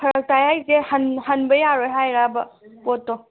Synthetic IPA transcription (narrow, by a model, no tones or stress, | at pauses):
ɾtajajzehɐnhɐnbɐjaɾɔjɦajɾabɐpɔtːɔ